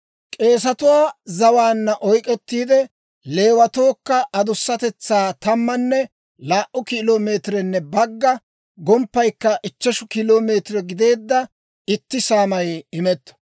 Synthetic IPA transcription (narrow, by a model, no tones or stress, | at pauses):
kʼe̞ːs̬ɐt̪ʊwaːzɐwaːnːɐʔɔjkʼɛt̪ːiːd̪ɛ | le̞ːwɐt̪o̞ːkːɐʔɐd̪ʊsːɐt̪ɛt͡sːaːt̪ɐmːɐnːɛ | laːʔʔʊkɪloːme̞ːt̪ɾɛnːɛbɐɡːɐ | ɡɔmpːɐjkːɐʔɪt͡ʃːɛʃʊkɪloːme̞ːt̪ɾɛɡɪd̪e̞ːd̪ːɐ | ɪt̪ːɪsaːmɐjɪmɛt̪ːɔ̥